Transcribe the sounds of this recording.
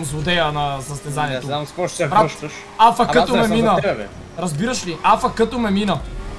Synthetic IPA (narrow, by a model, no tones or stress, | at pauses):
mzvʊd̪ɛjɐnɐsɐst̪ɛzaniɛoamskɔʃpɾaʃʃ | afəkɐt̪omɛminəɛɛ | ɾɐzbiɾəʃliafəkət̪omɛminə